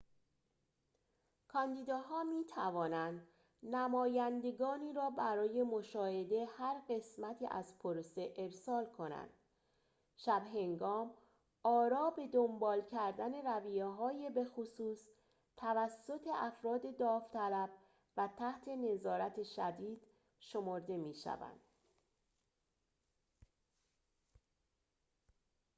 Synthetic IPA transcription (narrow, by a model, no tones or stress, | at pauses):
kʰɒːnd̪iːd̪ɒːɦɒːmiːt̪ʰævɒːnænd̪ | næmɒːjænd̪e̞ɡɒːniːɾɒːbæɾɒːje̞mo̞ʃɒːhe̞d̪e̞hæɾɢe̞smæt̪ʰḭːʔæzpʰoɾose̞ʔeɾsɒːlkʰo̞næ̰nd̪̥ | ʃæbɦe̞ŋɡɒːm | ɒːɾɒːbe̞d̪o̞mbɒːlcʰæɾd̪æne̞ɾævijeɦɒːjebe̞xosuːs | t̪ʰævæsːo̞t̪ʰe̞ʔæfɾɒːd̪e̞d̪ɒːft̪ʰælæb̥ | væt̪ʰæht̪ʰe̞ne̞zɒːɾæt̪ʰe̞ʃæd̪iːd̪̥ | ʃo̞moɾd̪e̞miːʃæ̰væ̰nd̪̥